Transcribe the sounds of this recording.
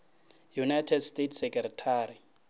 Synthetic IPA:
junajtʰɛdstetʰsɛkʼɛrɛtʰaːɾi

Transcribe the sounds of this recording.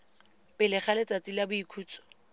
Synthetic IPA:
pʼɪlɪχʰalet͡sʼat͡silabʊikʰuːt͡sɔ̥

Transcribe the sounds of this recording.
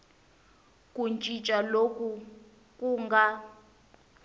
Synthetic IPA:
kʼunt͡ʃʼit͡ʃʼalokʼu | kʼuŋɡa

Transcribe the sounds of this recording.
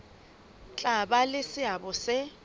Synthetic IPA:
t͡ɬʼabalɪsɪabɔsɪ

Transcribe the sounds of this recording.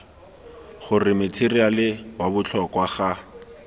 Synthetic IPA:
χʊrɪmɪt͡sʰirialɪwabʊt͡ɬʰɔkwaχa

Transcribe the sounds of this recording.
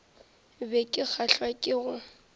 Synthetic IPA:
bɛkʼɪk͡xʰaɬwakʼɪɣʊ

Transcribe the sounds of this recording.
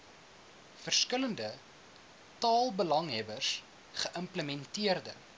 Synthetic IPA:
fərskələndə | tɑːlˠbəlɐŋɦɛbərs | χəʔəmpləmɛntiərdə

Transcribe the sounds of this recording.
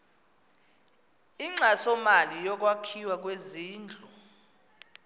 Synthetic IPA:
iŋ͡ǁasɔmalijɔk̬ʼwakʰiwak̬ʼweziːnd͡ɮʱu

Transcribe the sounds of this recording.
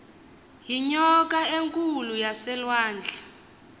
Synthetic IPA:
ɦiɲɔk̬ʼaeŋkʼulujasɛlwaːnd͡ɮʱḁ

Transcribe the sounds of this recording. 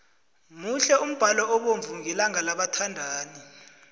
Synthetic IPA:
muɬɛum̩b̥ʱalɔɔɓoɱvuŋɛlaŋalaɓatʰandʱaːni

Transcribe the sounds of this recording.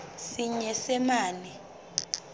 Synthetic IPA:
siɲɛsɛmaːnɛ

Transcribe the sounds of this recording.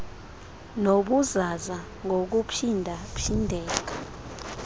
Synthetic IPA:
noɓuzaza | ŋɡʱok̬upʰindʱapʰindʱɛːk̬ḁ

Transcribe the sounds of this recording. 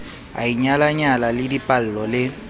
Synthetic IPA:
a̰iɲalaɲalalɪdipʼal̩lɔlɪ

